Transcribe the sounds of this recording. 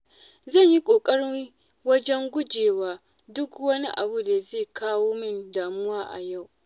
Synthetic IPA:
zɐ˦˨ɲji˦kʷʼoː˨kʼɐ˦ɽɪ˦ŋ | wɐ˦d͡ʒɛ˦ŋɡʷʊ˦d͡ʒeː˨waː˦ | dʊ˦kwɐ˦ni˦ʔa̰˨bu˨da˨zeː˦˨kʰaː˦woː˦mɪ˦ndaː˨mʊ˦waː˦ʔa̰˨ja˦˨w

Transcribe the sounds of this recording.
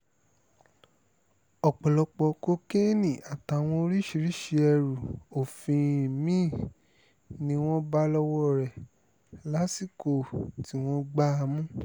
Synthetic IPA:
ɔ˨k͡pɔ˨lɔ˧k͡pɔ˧ko˦ke˦nĩ˨a˨ta˨˦˨w̃ɔ̃˧o˧ɾi˦ʃi˧ɾi˦ʃi˧ɛ˧ɾu˨o˨fĩ˧˨mĩ˦˨ | nĩ˧˦w̃ɔ̃˦ba˦lɔ˧wɔ˦˨ɾɛ˨ | la˨˦si˦˨ko˨ti˨˦w̃ɔ̃˦ɡ͡ba˦a˧mũ˦

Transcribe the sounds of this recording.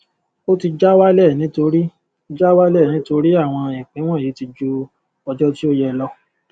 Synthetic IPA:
o˦ti˧d͡ʒa˦wa˦lɛ˦˨nĩ˨˦to˧ɾi˦ | d͡ʒa˦wa˦lɛ˦˨nĩ˨˦to˧ɾi˦a˦˨w̃ɔ̃˧i˨k͡pĩ˨˦w̃ɔ̃˦˨ji˨˦ti˧d͡ʒu˦ | ɔ˧d͡ʒɔ˦ti˦o˦jɛ˧lɔ˦

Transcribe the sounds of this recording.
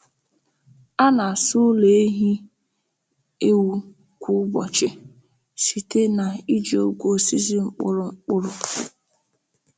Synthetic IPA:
a˦na˨sʊ˦le˨e˦ɦi˦ | e˦wu˦ | kʷu˦ʊ˦bɔ̰˨t͡ʃɪ˦ | si˨te˦na˨i˦d͡ʒi˨˦o˦ɡʷo˦˨si˦zi˦ŋ͡m̩˦k͡pʊ˦ɾʊ˨ŋ͡m̩˦k͡pʊ˦ɾʊ˨

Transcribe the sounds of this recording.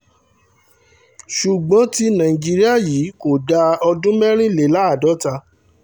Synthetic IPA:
ʃu˨ɡ͡bɔ̃˨˦ti˧nã˨ĩ˨d͡ʒi˦ɾi˦a˦˨jiː˨˦ko˨da˧ɔ˧dũ˦mɛ˦ɾ̃ĩ˦le˨˦la˨˦a˦˨dɔ˨˦ta˧

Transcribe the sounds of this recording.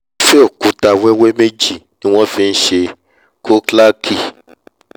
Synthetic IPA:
fɛ˦o˦˨kũ˨˦ta˧wɛ˦wɛ˦me˦d͡ʒi˦˨nĩ˦w̃ɔ̃˦fĩ˧n̩˦ʃe˧ | ko˦kla˦ki˦˨

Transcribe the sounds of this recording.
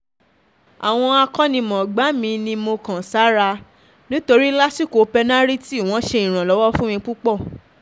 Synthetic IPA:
a̰˨w̃ɔ̃˧a˧kɔ˦nĩ˧mɔ̃˨ɡ͡ba˨˦mĩ˧nĩ˧mo˧kã˨sa˨˦ɾa˧ | nĩ˦to˧ɾi˦la˦si˦˨ko˨˧pɛ˧nã˦ɾi˦ti˦˨w̃ɔ̃˨˦ʃe˧ĩ˨ɾ̃ã˨lɔ˨˦wɔ˦fũ˦mĩ˧k͡pu˦k͡pɔ˦˨

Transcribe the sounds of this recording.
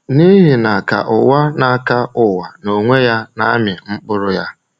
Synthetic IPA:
ni˦ɦi˨na˨ka̰˨ʔʊ˨wa˦na˨ka˦ʊ˨wa˨no˨ŋʷe˦ja˦na˦mɪ˨ŋ͡m̩˦k͡pʊ˦ɾʊ˦ja˦

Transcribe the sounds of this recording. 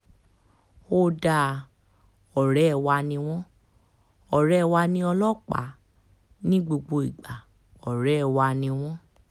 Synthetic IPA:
o˧˦da˧˨ | ɔ˨ɾɛ˨˦˧wa˧nĩ˧w̃ɔ̃˦ | ɔ˨ɾɛ˨˦˧wa˧nĩ˧ɔ˧lɔ˦k͡pa̰˨˦ | nĩ˦ɡ͡bo˧ɡ͡bo˧i˨ɡ͡ba˨ | ɔ˨ɾɛ˨˦ɛ˦˧wa˧nĩ˧w̃ɔ̃˦

